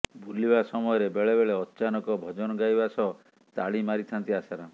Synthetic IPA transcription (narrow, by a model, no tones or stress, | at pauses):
bʱulibasɔmɔjɔɾebeɭebeɭeɔtːt͡ʃanɔkɔbʱɔd͡ʒɔnɔɡajbasɔ | t̪aɭimaɾit̪ʰant̪iasaɾa